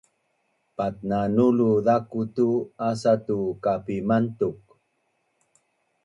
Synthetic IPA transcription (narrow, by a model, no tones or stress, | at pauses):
pat̚nanuluðakutuas̬atukapimantuk̚